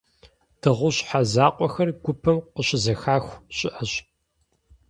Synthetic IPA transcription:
d̥ɨʁʷʊɕħazaːqʷʼɔxɐrɡʷʊpʰɐmqəɕɪzɐxaːxʷɕʼɪʔɐɕ

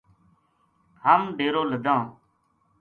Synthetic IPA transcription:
həmɖeːɾoːləd̪ãː

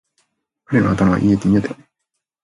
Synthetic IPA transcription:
kaɾenoat̪amaβa̰ʔiet̪emʲiad̪e

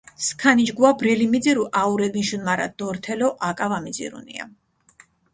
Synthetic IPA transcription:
skʰanid͡ʒɡuabɾɛlimid̪ziɾuʔauɾɛd̪minʃunmaɾa̰d̪̥ɔɾt̪ʰɛlɔʔakʼavamid̪zḭɾṵnḭa̰

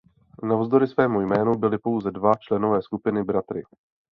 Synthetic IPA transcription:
navzd̪o̞ɾɪsvɛːmujmɛːnubɪlɪpo̞wzɛdvat͡ʃlɛno̞vɛːskupɪnɪbɾat̪ɾɪ̰

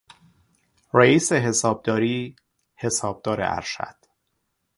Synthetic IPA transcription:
ɾæiːse̞ɦe̞sɒːb̚d̪ɒːɾiː | he̞sɒːb̚d̪̥ɒːɾḛʔæ̰ɾʃæ̰d̪̥

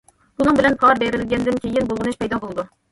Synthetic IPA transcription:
b̥unɨŋbɪlɛnpʰɑɾbeɾɪlɡʲɛnd̪ɪnkʲejɪnbolˠʁɨnɨʃpɛjd̪ɑbolˠd̪u

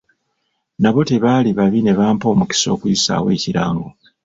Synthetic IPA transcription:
naβo̞teβaːliβaβine̞βaːmpo̞ːmuki̥so̞̰ːkuisa̰we̞ːciɾaːŋɡo̞

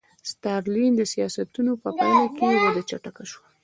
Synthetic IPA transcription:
st̪ɑɾlind̪əsijɑsat̪unopəpɑlakewəd̪at͡ʃaʈakaʃwa

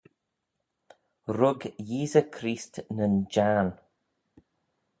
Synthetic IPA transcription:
ɾʊɡjiːzəkʰɾiːstnənd͡ʒan

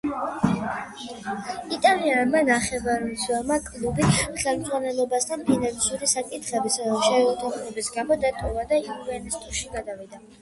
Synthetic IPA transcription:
it̪ʼalianmanaχɛvaɾniswɛɾmakʼlˠubiχɛlˠmzʁanɛlˠɔbast̪ʰanpʰinansuɾisakʼit̪ʰχɛbisad̪amʃɛɛlɔt̪ʰaχlɔbisɡamɔd̪at̪ʼɔvad̪aiuvɛnɛst̪ʼuɾʃiɡad̪avid̪a

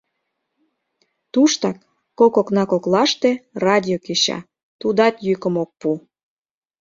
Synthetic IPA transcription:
t̪uʃt̪ɑkː | okoknɑkoklɑʃt̪erɑdʲiokeɕɑ̰ | t̪ud̪ɑt̪jykə̆mok̚pu

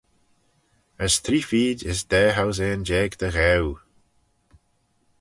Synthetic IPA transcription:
əsθʰɾiːfiːdɪsd̪̥ɛːɦawz̬ɛːnd͡ʒɛːɡd̪əɣɛw

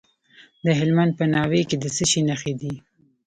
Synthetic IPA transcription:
d̪əɦɪlmand̪̚pənɑweked̪əsəʃinaxed̪i

